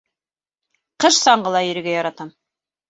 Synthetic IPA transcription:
qɤʃsɑɴɢɤ̆lˠɑjɵ̆ɾɘ̆ɡæjɑɾɑt̪ɑm

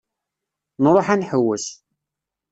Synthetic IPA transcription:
nɾˤoħænħəwːəs

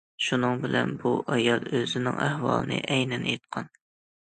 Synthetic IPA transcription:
ʃunɨŋbɪlɛnbuʔɑjɑlˠøzɪnɪŋæhwɑ̰lˠɨnɨ̰ʔɛjnɛnet̪̚qʰɑn

